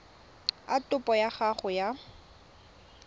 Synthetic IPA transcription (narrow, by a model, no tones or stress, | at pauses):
atʊpʼɔjaχaχʊja